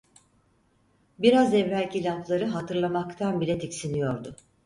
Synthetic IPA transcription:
biɾazɛvɾælʲcilʲaflˠaɾɯɦat̪ʰɯɾlˠamakt̪ʰanbilʲɛt̪ʰicsinijo̞ɾd̪ʊ

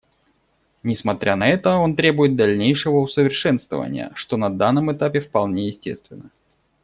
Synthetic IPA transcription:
nʲɪsmɐt̪ɾʲʔanɐɛt̪əo̞nt̪ɾʲe̞bʊjɪt̪̚d̪ɐlʲnʲejʂɨvəʊsəvʲɪrʂɛnst̪və̰və̰nʲɪ̰jə̰ʂt̪o̞nɐd̪anːəmɨt̪apʲɪfpɐlˠnʲejɪsʲtʲe̞̰st̪vʲɪnːə

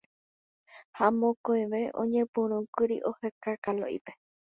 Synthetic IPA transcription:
hamõkoj̃ʋeʔõ̰ɲẽpũɾ̃ũkɨɾḭʔohekakalo̰ʔḭpe

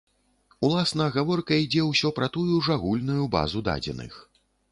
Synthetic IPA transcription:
ulˠasnɐɣavɔrkɐid͡zʲɛwsʲɔpɾɐt̪ujuʐaɣulʲnujuba̰zud̪a̰d͡zʲɛ̰nɨ̰x

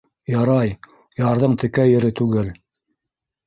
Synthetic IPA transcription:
jɑɾɑj | jɑɾðɤɴt̪ɘ̆kæjɘ̆ɾɘt̪ʉɡɘl

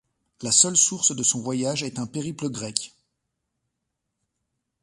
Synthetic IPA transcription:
lasœlsuʁsd̪əsɔ̃vwajaʒɛt̪ɛ̃peʁipləɡʁɛk

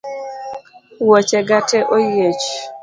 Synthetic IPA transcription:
wɔt͡ʃɛɡatɛʔojet͡ʃ

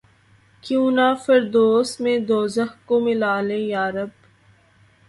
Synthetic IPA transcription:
kjũːnaːfɐɾd̪oːsmẽːd̪oːzəɦkomɪlaːlẽːjaːɾəb

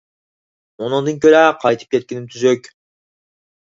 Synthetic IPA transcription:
onond̪ɯŋkølæqʰɑjt̪ɯ̥p̚ke̞t̪̚kʲenimt̪ʰyzøk

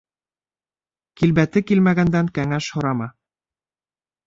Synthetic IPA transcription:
kilbæt̪ɘkilmæɡænd̪æŋkæŋæʃhŏɾɑmɑ

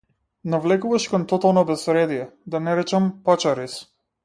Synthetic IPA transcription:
navlɛkuvaʃkɔnt̪ɔt̪alˠnɔbɛsɾɛd̪ijɛd̪anɛɾɛt͡ʃampat͡ʃaɾis

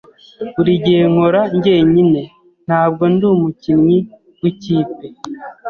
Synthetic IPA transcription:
uɾiɟeːŋoɾaɲɟe̞ːɲine̞ | n̥haːb̚ɡo̞nduːmucinŋi | wiciːpe

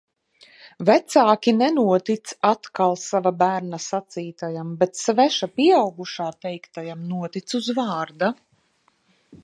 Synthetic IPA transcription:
væt̪saːkʲinɛnuɔt̪it̪sat̪kalˠsavabæːɾnasat̪siːt̪ajambɛt̪svɛʃapiɛawɡuʃaːt̪ɛjkt̪ajamnuɔt̪it̪suzvɑːɾd̪a

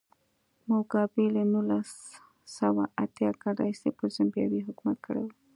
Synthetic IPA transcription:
moɡɑbelenulasː | awaʔat̪jɑkaɾɑ̰isepəɾzambjɑwiɦʊkmat̪̚kʰəɽewu

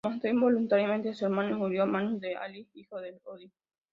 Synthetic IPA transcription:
mãnt̪oimbolunt̪aɾjamẽnt̪easeɾmãnomuɾjoamãnozðea̰liixoðeloði

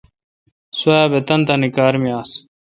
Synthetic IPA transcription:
swɐjaːbet̪ɐnt̪anikaːɾmijaːs

